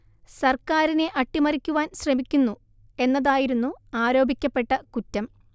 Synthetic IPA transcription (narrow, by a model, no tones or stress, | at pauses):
sɐrkaːɾine̞ʔɐʈːimɐɾikʲːuʋaːnɕrɐmikʲːunːu | e̞nːɐðaːjiɾunːuaːɾo̞ːbʱikʲːɐpːe̞ʈːɐkutːɐm